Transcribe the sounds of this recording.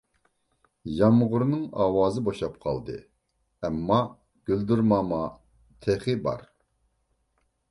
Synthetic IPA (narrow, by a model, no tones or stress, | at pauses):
jɑmʁʊɾnɨŋɑːwɑːzɨboʃɑpqʰɑ̰lˠd̪ɨ̰ | ɛmːɑ | ɡ̥ʲøld̪yɾmɑmɑ | t̪ʰeχɪbɑ̰ɾ